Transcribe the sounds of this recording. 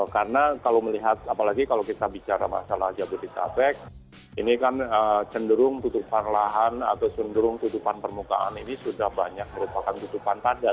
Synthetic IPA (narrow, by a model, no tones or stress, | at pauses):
kaɾənakaloməliɦat̪̚apalaɡikalokit̪abit͡ʃaɾa̰ma̰sala̰hd͡ʒabʊt̪it̪a̰pɛk̚ | inikanət͡ʃəndəɾʊŋt̪ut̪upanlaɦana̰t̪awt͡ʃəndəɾʊŋt̪ut̪upanpərmuka̰ʔa̰ninisudahba̰ɲak̚məɾupakant̪ut̪upant̪ada